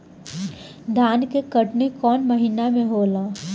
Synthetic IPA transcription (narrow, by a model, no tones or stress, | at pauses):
d̪ʱjaːnkekɐʈnekɔːnmɐɦinamẽɦoːlaː